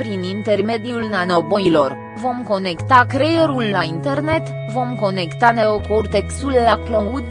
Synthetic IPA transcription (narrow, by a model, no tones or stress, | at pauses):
pɾinint̪e̞rme̞d̪iulnanobo̞ilo̞r | vo̞mko̞ne̞kt̪akɾejeɾulːaint̪e̞rne̞t̪ | vo̞mko̞ne̞kt̪ane̞okort̪ekst̪ulːakloud̪